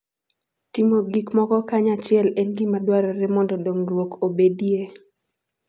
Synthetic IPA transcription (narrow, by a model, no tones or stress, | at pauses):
timoɡikmɔkɔkaɲat͡ʃɪɛlɛnɡimadwaɾɔɾɛmɔndɔdoŋrwokobedie